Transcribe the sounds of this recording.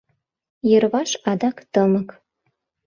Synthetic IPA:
jə̆rβɑʃɑd̪ɑkt̪ɤmə̆k

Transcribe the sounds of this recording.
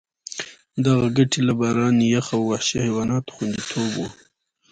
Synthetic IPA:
d̪aɣaɡaʈʰilabɑɾɑnjaxawːahʃahewɑnɑt̪o̥xwand̪it̪ʰobwu

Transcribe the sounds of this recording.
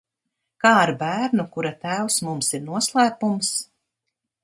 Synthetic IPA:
kaːaɾbæːɾnukuɾat̪æːwsmumsiɾnuɔslˠæːpums

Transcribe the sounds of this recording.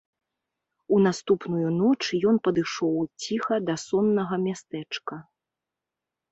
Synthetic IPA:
unast̪upnujunɔt͡ʂjɔnpɐd̪ɨʂɔwt͡sʲixɐd̪ɐsɔnːɐɣɐmʲast̪ɛt͡ʂkɐ

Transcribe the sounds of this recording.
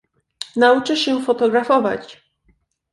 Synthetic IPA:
naut͡ʂɘɕɛfɔt̪ɔɡɾafɔva̰t͡ɕ

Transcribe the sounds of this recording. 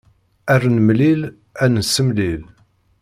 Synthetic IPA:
ærnəmlil | ænəsːəmlil

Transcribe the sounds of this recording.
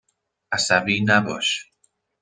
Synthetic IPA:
asavinabo̰ʃ

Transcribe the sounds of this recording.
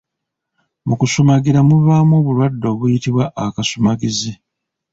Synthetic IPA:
mukusumaɡiɾamuβaːmo̞ːβuɾwadːo̞ːβujitiβwaʔːkasumaɡizi

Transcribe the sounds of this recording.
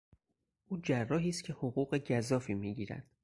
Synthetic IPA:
ʔuːd͡ʒærːɒːɦiːst̪kcʰe̞hoɣuːɢeɟæzɒːfiːmiːɟiːɾæ̰d̪̥

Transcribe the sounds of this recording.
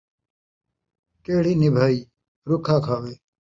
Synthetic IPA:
keːɽiːnibʱaːiː | ɾukʰãːkʰaːʋeː

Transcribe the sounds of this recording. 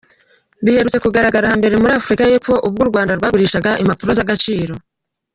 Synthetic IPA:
βihe̞ɾut͡se̞kuɡaɾaɡaɾahambe̞ɾe̞muɾaːfuɾikaje̞p͡fo̞ʔub̚ɡuːɾɡwaːndaɾɡwaːɡuɾiːʃaɡaʔimapuɾo̞zaɡat͡ʃiːɾo̞

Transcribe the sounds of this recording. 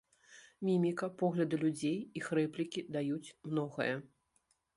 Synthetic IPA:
mʲimʲikɐpɔɣlʲɐd̪ɨlʲud͡zʲejixrɛplʲikʲid̪ajut͡sʲmn̪ɔɣɐ̰jɐ

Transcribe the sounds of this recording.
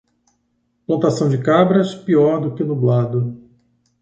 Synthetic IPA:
plɐ̃nt̪asɐ̃w̃d͡ʒɪkabɾɐspiɔɾd̪ʊkɪnublad̪ʊ

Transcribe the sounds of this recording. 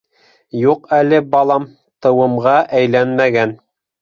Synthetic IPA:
juqælɘbɑlˠɑm | t̪ɤ̆wɤ̆mʁɑʔæjlænmæɡæn

